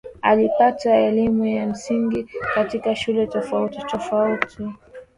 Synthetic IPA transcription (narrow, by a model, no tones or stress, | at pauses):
alipataɛlimujam̩siŋɡikatikaʃulɛtɔfautitɔfauti